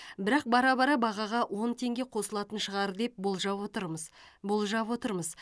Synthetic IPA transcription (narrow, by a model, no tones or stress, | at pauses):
bɪɾɑq̚bɑɾɑbɑɾɑbɑʁɑʁɑwʔo̞nt̪ʰe̞ŋɡʲe̞qʰo̞səlˠɑt̪ənʃəʁɑɾd̪e̞p̚bolˠʒɑot̪əɾməzbolˠʒɑpwo̞t̪əɾməz